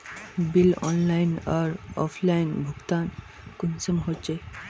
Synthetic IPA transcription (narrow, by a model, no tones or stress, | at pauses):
bilɔ̰nlajnaɾɔpʰlajnbʱuɡt̪an | kunsəmɦot͡ʃe